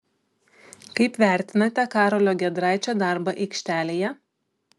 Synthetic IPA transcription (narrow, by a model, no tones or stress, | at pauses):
kɐɪpʋʲæˑɾʲt̪ʲɪnɐt̪ʲɛkɑːɾolʲoːɡʲɛd̪ɾɑˑɪt͡ʃʲoːd̪ɑˑɾbɐʔɛɪkʃʲt̪ʲæːlʲeːjɛ